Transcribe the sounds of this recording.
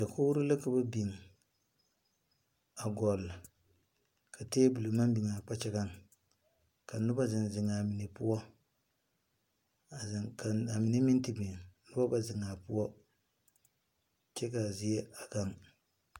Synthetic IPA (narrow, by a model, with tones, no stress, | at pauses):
da˨ko˦wu˦ɾɨ˦la˦ka˦ba˦bi˨ŋ | a˨ɡɔ˨l | ka˨teː˦bu˨lo˨ma˦mbi˨ŋa˨k͡pa˦t͡ʃɛ˦ka˦ŋ | ka˨nʊ˦ba˦zɪ˨nzɪ˨ŋa˨mi˨ne˨pʊ˦wɔ˦˨ | ka˨a˨mi˨ne˦mi˦nti˦bi˨ŋnʊ˦ba˦ba˦zɪ˨ŋa˨pʊ˦ɔ˦ | t͡ʃɛ˦ka˨zɪ˦jɛ˦a˨ka˦ŋ